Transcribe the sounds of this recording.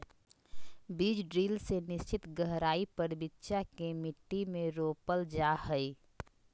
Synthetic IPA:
biːd͡ʒɖɾiːlsenɪst͡ʃɪt̪ɡəɦɾaːipəɾbɪtːʃakemɪʈːimẽɾoːpəld͡ʒahəi

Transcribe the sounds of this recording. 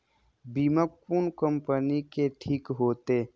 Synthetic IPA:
biːmək̚puːnkəmpənikeʈʰiːkɦoːt̪e

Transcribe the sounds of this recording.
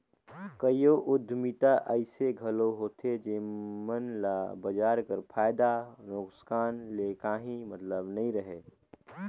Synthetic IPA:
kəjoʔʊd̪ʱːmit̪aʔəɪseɡʱəloɦoːt̪ʰed͡ʒemənlabəd͡ʒaːɾkəɾpʰaːjd̪aɾoːksə̥kaːnlekaːɦĩmət̪ləbnɐĩɾəɦeː

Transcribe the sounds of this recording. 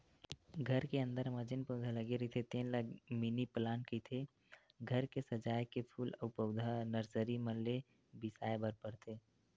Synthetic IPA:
ɡʱəɾkeə̃nd̪əɾməd͡ʒənpəd̪ʱaləɡeɾət̪ʰet̪ẽnləɡminiplaːnkit̪ʰe | ɡʱəɾkesəd͡ʒaːjkepʰuːləpəʊd̪ʱanəɾsəɾiməle | bɪsaːebəɾpəɾt̪ʰeː

